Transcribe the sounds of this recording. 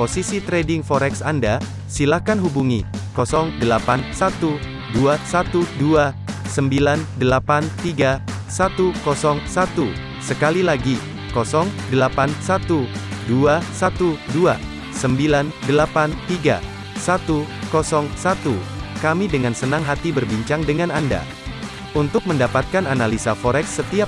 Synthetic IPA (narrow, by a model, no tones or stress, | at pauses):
posisit̪ɾedɪŋfɔɾɛksanda | silahkanɦubuŋikɔsɔŋdəlapansat̪u | duasat̪uduasəmbilandəlapant̪iɡa | sat̪ukɔsɔŋsat̪u | səkalilaɡi | kɔsɔŋdəlapansat̪uduasat̪udua | səmbilandəlapant̪iɡa̰ | sat̪ukɔsɔŋsat̪ukamidəŋansənaŋɦat̪ibərbiɲt͡ʃaŋdəŋananda̰ | unt̪ʊk̚məndapat̪̚kananalisafɔɾɛksːət̪ia